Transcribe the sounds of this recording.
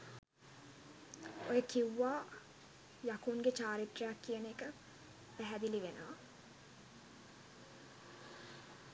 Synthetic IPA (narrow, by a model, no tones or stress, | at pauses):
ojəkiwːaː | jakuŋɡet͡ʃaːɾit̪rejakːijənekə | pæɦæd̪iliʋenəʋa